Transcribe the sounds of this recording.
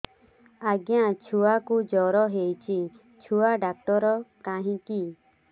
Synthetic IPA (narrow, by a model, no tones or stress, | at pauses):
aɡjãt͡ʃʰuwakud͡ʒɔɾɔɦejt͡ʃi | t͡ʃʰuaɖak̚ʈɔɾɔkaɦĩki